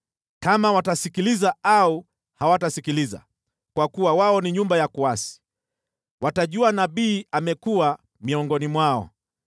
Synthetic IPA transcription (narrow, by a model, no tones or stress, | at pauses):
kamawatasikilizaau | hawatasikiliza̰ | kwakuwawaɔniɲumbajakuasi̥ | wataʄuanaɓiːamɛkua | miɔŋɡɔnimwaɔ̰